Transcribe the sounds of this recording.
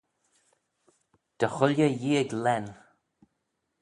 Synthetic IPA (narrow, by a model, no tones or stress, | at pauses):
d̪̥əxʊljəjiːəɡlɛn